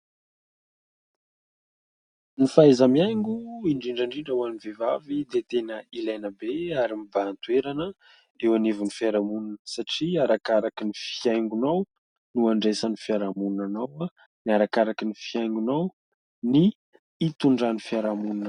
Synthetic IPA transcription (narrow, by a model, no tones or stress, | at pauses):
nifaezamiajŋɡuiɳɖ͡ʐiɳɖ͡ʐaɳɖ͡ʐiɳɖ͡ʐawanivevavid̪et̪enəilajnəbeaɾimibaːnt̪ueɾanə | ewanivunifiaɾamununəsaʈ͡ʂiaɾakaɾakinifiajŋɡunaw | nuaɳɖ͡ʐesanifiaɾamunnanawa | niaɾakaɾakinifiajŋɡunaw | niː | t̪uɳɖ͡ʐanifiaɾamununə